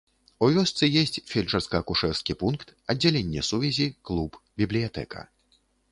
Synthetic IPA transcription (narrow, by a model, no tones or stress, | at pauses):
uvʲɔst̪sɨjɛsʲt͡sʲfʲɛlʲt͡ʂɐrskɐːkuʂɛwskʲipunkt̪ɐdd͡zʲːalʲɛnʲːɛsuvʲɛzʲiklˠupbʲiblʲijat̪ɛ̰kɐ̰